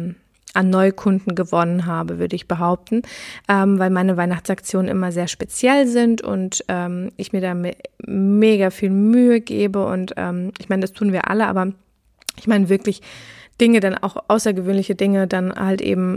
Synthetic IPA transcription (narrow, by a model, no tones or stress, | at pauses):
ʔanːɔʏkʰʊndn̩ɡəvɔnənɦaːbəvʏɐdəɪçb̥əɦaʊp̚tn̩ʔɛːmvaɪlmaɪnəvaɪnaχt͡sʔakt͡sjoːnənʔɪ̰mɐzeːɐʃpet͡sjɛlzɪntʊ̰ntʔɛːmɪçmiːɐdaːmɪtmeːɡafiːlmyːəɡḛːbəʔʊ̰ntʔɛ̰ːmɪçmaɪnədastʰuːnviːɐʔa̰ləʔa̰ːbɐ | ʔɪçmaɪnəvɪɐklɪçd̥ɪŋədanʔa̰ʊxʔaʊsɐɡəvøːnlɪçədɪŋədanhaltʔḛːbm̩